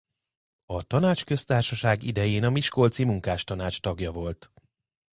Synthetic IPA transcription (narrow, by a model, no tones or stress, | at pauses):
ɒt̪ɒnaːt͡ʃkø̞st̪aːrʃɒʃaːɡid̪ɛjeːnɒmiʃkolt̪simuŋkaːʃt̪ɒnaːt͡ʃt̪ɒɡjɒvo̞lt̪